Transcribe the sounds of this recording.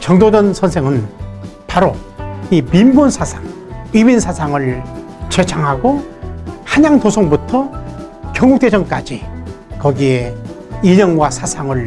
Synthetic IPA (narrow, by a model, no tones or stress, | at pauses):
t͡ɕʌŋdodʌnsʰʌnsʰeŋɯnpaɾoimimbunsʰasʰaŋ | iminsʰasʰaŋɯɭ | t͡ɕet͡ɕʰaŋɦaɡo | haɲaŋtosʰoŋbutʰʌkjʌŋuk̚t͈ed͡ʑʌŋk͈ad͡ʑi | kʌɡieiɲʌŋɡwasʰasʰaŋɯɭ